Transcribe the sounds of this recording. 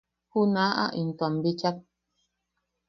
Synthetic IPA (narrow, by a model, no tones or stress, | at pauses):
hunaːʔa̰ʔin̩twambit͡ʃak̚